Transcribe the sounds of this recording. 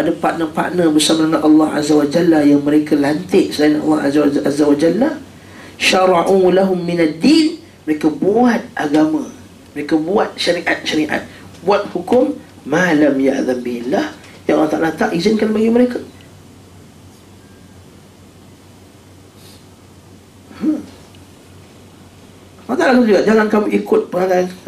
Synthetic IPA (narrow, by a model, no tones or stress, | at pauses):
adapaʔnəpa̰ʔnəbəsamaaŋanʔɑlːɑhʔa̰zawad͡ʒalːajaŋməɾekalant̪ɪʔsəlajanʔɑ̰lːɑha̰zazawad͡ʒalːah | ʃaɾˤɑʔulaɦʊmːinad̪ːin | məɾekabuat̪̚ʔaɡamã | məɾekabuat̪̚ʃaɾiʔat̪̚ʃaɾiʔa̰t̪̚ | buat̪̚hukʊmː | alamja̰ʔðambihilah | jaʔalːɑht̪aʔalat̪aʔizɪnkanbaɡiməɾeka | lːɑht̪alat̪ʊd͡ʒuɡaʔd͡ʒaŋankamuʔikʊt̪̚pəŋalaan